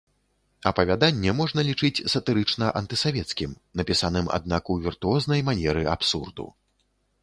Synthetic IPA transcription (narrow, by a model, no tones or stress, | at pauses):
ɐpɐvʲad̪anʲːɛmɔʐnɐlʲit͡ʂɨt͡sʲsɐt̪ɨɾɨt͡ʂnɐʔɐnt̪ɨsavʲɛt̪skʲim | nɐpʲisanɨma̰d̪̚nakuvʲirt̪uɔznɐjmanʲɛɾɨapsurd̪ṵ